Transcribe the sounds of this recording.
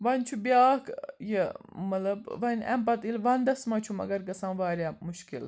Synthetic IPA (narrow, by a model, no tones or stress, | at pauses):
ʋɐnʲt͡ʃʰubjaːkjemɐlɐbʋɐnʲɐ̰mpɐt̪ilʋɐnd̪ɐsmɐt͡ʃʰumɐ̰ɡɐɾkɐsãːnʋaːɾʲjaːmuʃkḭl